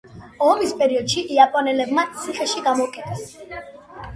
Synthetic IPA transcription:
ɔmispʼɛɾiɔd̪̥ʃiʔiapʼɔnɛlɛbmat̪sʰiχɛʃiɡamɔkʼɛt̪ʰʼɛs

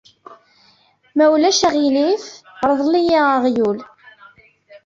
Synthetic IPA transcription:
mæwlæʃæʁilifɾˤəðˤlijiʁjul

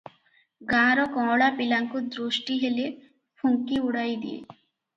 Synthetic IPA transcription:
ɡãɾɔkɔ̃ɽapilaŋkud̪ɾoʃʈiɦele | fʰuŋkiuɽajd̪ḭḛ

